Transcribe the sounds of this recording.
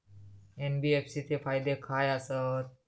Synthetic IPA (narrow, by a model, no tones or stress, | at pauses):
enbiefsit̪efajd̪ekʰajasət̪̚